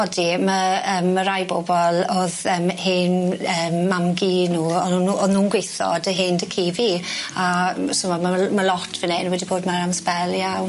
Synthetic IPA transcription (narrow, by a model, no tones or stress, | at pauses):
ɔdiməəːmːəɾajbobɔlˠɔðəːmhɪːnəːmːamɡinuːɔnnɔnuːnɡwɪθɔ̰dəɦeːndəkʰiːviasʊmamaməlɔtʰvənenwɛdiboːdmaɾamspɛlˠjaw